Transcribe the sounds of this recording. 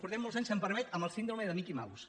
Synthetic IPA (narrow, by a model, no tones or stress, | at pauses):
puɾt̪ɛmːolˠzaɲsəmpəɾmɛt̪əməlˠsind̪ɾumeðəmikima̰βṵs